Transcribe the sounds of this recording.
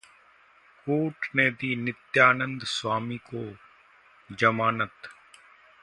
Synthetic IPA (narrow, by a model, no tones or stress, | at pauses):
koːʈneːd̪iːnɪt̪jaːnə̃nd̪swaːmiːkoː | d͡ʒəmaːnət̪